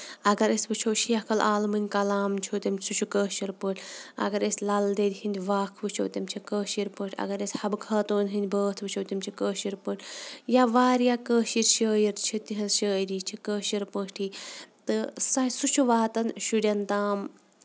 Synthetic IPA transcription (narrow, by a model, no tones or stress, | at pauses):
ɐɡɐɾesʲbɨt͡ʃʰowʃijɐkɐlʔaːlmɨnʲkɐlaːmt͡ʃʰot̪ʲɐmʰsut͡ʃʰukəːʃiɾpəʈʲʰɐ̰ɡɐɾesʲlɐld̪ed̪ʲhinʲd̪ʲʋaːkʰbɨt͡ʃʰowt̪ʲɐmt͡ʃʰikəːʃiɾpəːʈʰʲɐ̰ɡɐɾesʲhɐbkʰɐːt̪oːnɦinʲd̪ʲbəːt̪ʰbɨt͡ʃʰowt̪ɐmt͡ʃʰikəːʃiɾpəʈʰʲjaʋaːɾjaːkəːʃiɾʃəːjiɾt͡ʃʰit̪iɦɐzʃəːɾiːt͡ʃʰikəːʃiɾpəːʈʰit̪ɨsɐsut͡ʃʰuʋaːt̪ɐnʃuɽʲɐnt̪aːm